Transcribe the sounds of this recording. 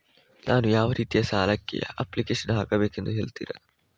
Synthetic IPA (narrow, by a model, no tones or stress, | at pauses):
naːnujaːʋɐɾiːt̪ijɐsaːlɐkːḛɐ̰pːlikeːʂɐnɦaːkɐbeːkend̪uɦeːɭt̪ḭːɾḛ